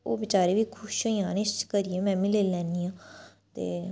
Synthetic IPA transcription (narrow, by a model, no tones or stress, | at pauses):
oːbɪt͡ʃaːɾeːʋiːkʰʊʃoːjãːnest͡ʃkəɾiːẽːmɛ̃ːmɪleːlɛ̃ːnd̪iːãːt̪ḛː